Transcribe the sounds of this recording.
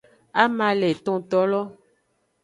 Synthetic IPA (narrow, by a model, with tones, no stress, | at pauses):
a˦mã˨le˨t̪ɔ̃˨t̪ɔ˦lɔ˦